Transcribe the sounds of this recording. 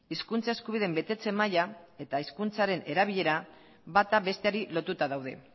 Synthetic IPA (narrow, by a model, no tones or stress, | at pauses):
iskunt͡sae̞skuβiðe̞mbe̞t̪e̞t͡se̞majae̞t̪aiskunt͡saɾe̞ne̞ɾaβiʎe̞ɾa | βat̪aβe̞st̪e̞aɾilo̞t̪ut̪aðawð̞e̞̰